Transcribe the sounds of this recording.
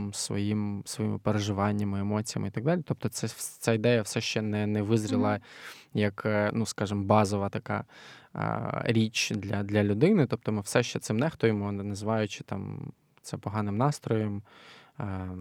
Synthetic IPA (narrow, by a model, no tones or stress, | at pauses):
msʋɔ̰jimsʋɔjḭmɪ̰peɾeʒɪʋɑnʲːɐmɪemɔt͡sʲijɐmɪit̪ɐɡ̚d̪ɑlʲit̪ɔp̚t̪ɔt̪sɛt̪sʲaid̪ɛjɐwsɛʃt͡ʃɛnɛnɛʋɪzɾʲɪlˠɐjɐknuskɑʒɪmbɑzɔʋɐt̪ɐkɑ̰ | ɾʲit͡ʃd̪lʲɐd̪lʲɐlʲʊd̪ɪnɪt̪ɔp̚t̪ɔmɪwsɛʃt͡ʃɛt̪sɪmnɛxt̪ɔjɪmɔnɐzɪʋɑjʊt͡ʃɪ̥t̪ɑ̰m | t̪sɛpɔɦɑnɪmnɑst̪ɾɔjɔm